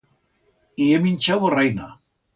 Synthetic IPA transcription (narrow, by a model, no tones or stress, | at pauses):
ieminʲt͡ʃaβorejna